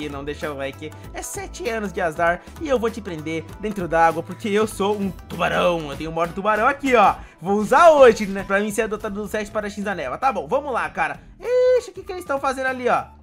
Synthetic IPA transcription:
ɪnɐ̃w̃d̪eʃɐlɛjkɪ | ɛsɛt͡ʃɪɐ̃nʊzd͡ʒɪazaɾ | ɪewvot͡ʃɪpɾẽnd̪eɾd̪ẽnt̪ɾʊd̪aaɡwɐpoɾkeewsoũt̪ubaɾɐ̃w̃ewt̪ẽɲ̃ʊ̃mɔɾd̪ʊt̪ubaɾɐ̃w̃akiɔvowuzaoʒɪnɛpɾɐmĩseɾad̪ot̪ad̪ʊd̪ʊsɛt͡ʃɪ̥paɾɐʃĩzanɛlɐt̪abõw̃vɐ̃mʊlakaɾɐ | eʃɐkɪkɪelɪst̪ɐ̃w̃fazẽndʊaliɔ

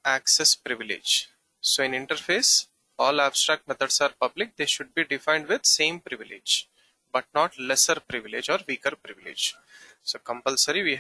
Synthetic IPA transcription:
æksɛspɾɪʋɪlɪ̰d͡ʒ | soːɪ̃nɪ̃ɳʈəɾfeːs | ɔːlæbsʈɾæk̚ʈ̚mɛt̪ʰəɖsaːɾpʌblɪk̚d̪eːʃʊɖ̚biːɖɪfãɪ̃ɳɖʋɪd̪sẽːmpɾɪʋɪlɪ̰d͡ʒ | bɐʈ̚nɔːʈlɛsəɾpɾɪʋɪled͡ʒɔːɾʋiːkəɾpɾɪʋɪlɪ̰d͡ʒ | soːkə̃mpəlsəɾiʋiː

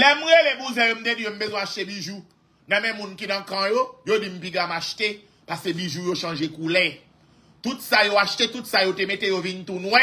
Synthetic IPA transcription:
lɛm̩ɣelebuzɛ̃jom̩t̪edijom̩bezwɛ̃aʃtebiʒu | nãmɛ̃mũnkinãkãjojodim̩piɡamaʃte | paskebiʒujoʃãʒekulɛ | t̪utsajoaʃtet̪utsajotemetejovint̪unwɛ̃

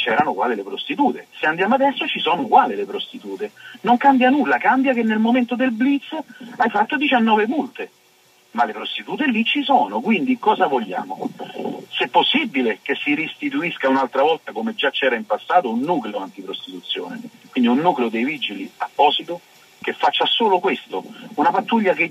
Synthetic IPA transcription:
t͡ʃɛːɾanokwaːlilepɾost̪it̪uːt̪eseand̪jaːmoad̪ɛsːot͡ʃisɔːnokwaːlilepɾost̪it̪uːt̪enoŋkambjanulːakambjakenːelmoment̪od̪elblit̪sːajfat̪ːod̪it͡ʃanːɔːvemult̪e | malepɾost̪it̪uːt̪elit͡ʃːisɔːnokwind̪ikɔːzavoʎːa̰ːmo | sɛpːosːibːilekesːiɾist̪it̪̬uiskaunalt̪ɾavɔlt̪akomed͡ʒat͡ʃːɛːɾaimpasːaːt̪ounːukleoant̪ipɾost̪it̪ut̪sːjo̰ːnḛkwind̪iunːuːkleod̪ejvid͡ʒiliapːɔːsit̪o | k̟efːat͡ʃːasoːlokwest̪ounapat̪ːuʎːake

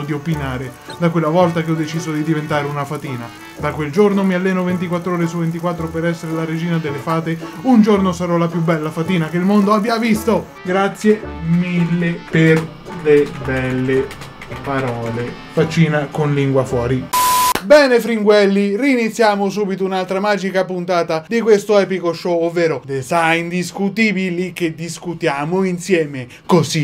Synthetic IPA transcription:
d̪iopinaːɾe | d̪akwelːavɔlt̪akeɔd̪ːet͡ʃiːzod̪id̪ivent̪aːɾeunafat̪iːna | d̪akweld͡ʒornomialːɛːnovent̪̬ikwat̪ːɾɔːɾesuvent̪̬ikwat̪ːɾopeɾɛsːeɾelaɾed͡ʒiːnad̪elːefaːt̪eund͡ʒornosaɾɔlapjubːɛlːafat̪iːnakeilmond̪oabjavist̪o | ɡɾat̪sːjemilːeper | lebɛlːe | paɾɔːle | fat͡ʃːiːnakonliŋɡwafwɔːɾibɛːnefɾiŋɡwɛlːiriːnit̪sːjaːmʊs̬uːbit̪ouunalt̪ɾamaːd͡ʒikapunt̪aːt̪ad̪ikwest̪oɛːpikoʃɔovːɛːɾod̪esaind̪iskut̪iːbilik̟ed̪iskut̪jaːmoinsjɛːme | kosi

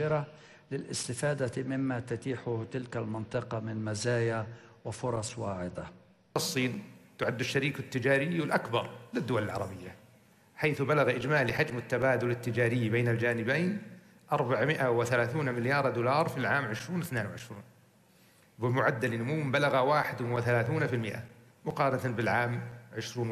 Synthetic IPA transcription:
ɪɾa | lɪlʔɪ̰st̪ɪfaːd̪amɪmːat̪ʊt̪iːħʊht̪ɪlkalmɪnt̪ˤɨqɑmɪnmazaːjawɪfʊɾˤɑsˤwaːʕɪd̪a | ɑsˤːiːnt̪ʊʕad̪ːʊʃːaɾiːkɪt̪ːɪd͡ʒaːɾɪjːɪlʔakbɑɾˤlɪd̪ːʊwalɪlʕɑ̰ɾˤɑbɪjːa | ħaːθbalaɣaʔɪd͡ʒmaːliħad͡ʒmɪt̪ːabaːd̪ʊlɪt̪ːɪd͡ʒaːɾɪjːbeːnald͡ʒaːnɪbejːn | ʔɑɾˤbaʕmɪʔawɪθalaːθuːnmɪljɑːɾˤd̪uːlɑːɾˤfilʕaːmʕɪʃɾuːnɪθneːnwɪʕɪʃɾṵːn | bɪlmʊʕad̪ːalnʊmuːmbalaɣawaːħɪd̪wɪθalaːθuːnafɪlmɪʔa̰ | mʊqɑːɾˤɑt̪abɪlʕaːmʕɪʃɾuːn

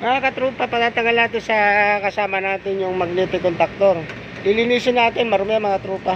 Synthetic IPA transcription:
mɐŋakɐt̪ɾuːpɐpɐd̪aːt̪ɐŋɡɐlnaːt̪ɪnsɐkɐsaːmɐnaːt̪ɪnjʊŋmɐɡ̚niːpɪkont̪ɐk̚t̪oɾ | ʔɪlɪniːsɪnaːt̪ɪnmɐɾʊmɛjaŋmɐŋat̪ɾuːpɐ

